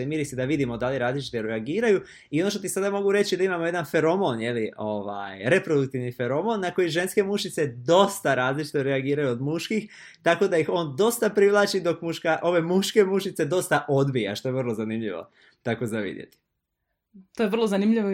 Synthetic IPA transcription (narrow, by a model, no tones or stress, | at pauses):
emiːɾised̪aʋid̪imo̞d̪aliɾaːzlit͡ʃi̥t̪oɾeaɡiːɾaju | io̞noʃt̪ot̪isad̪amo̞ɡuɾe̞t͡ɕid̪aimamo̞je̞d̪anfe̞ɾo̞mo̞nje̞lio̞ʋa̰jɾe̞pɾo̞d̪uk̚t̪iʋnifeɾo̞mo̞nːako̞jiʒe̞nske̞muʃit̪sed̪o̞st̪aɾaːzlit͡ʃi̥t̪oɾeaɡiːɾajuod̪muʃkix | t̪ako̞d̪aixo̞ːnd̪o̞st̪apɾiʋlˠaːt͡ʃid̪o̞kmuʃkaʔo̞ʋe̞muʃke̞muʃit̪se̞d̪o̞st̪aʔod̪bija̰ʃt̪o̞je̞ʋərlˠozanimʎḭʋo̞̰ | t̪akozaʋḭd̪jḛt̪i̥ | t̪ojeʋrlˠozanimʎiʋo